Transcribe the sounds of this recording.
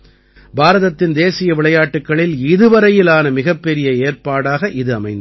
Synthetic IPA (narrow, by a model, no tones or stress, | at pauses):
bʱaːɾɐðɐt̪ːɪnd̪eːsɪjɐʋɪɭɐjaːʈːɯkːɐɭɪlɪðɯʋɐɾɐjɪlaːnɐmɪɣɐpːɛɾɪjɐeːrpaːɽaːɣɐʔɪðɯɐmɐɪnd̪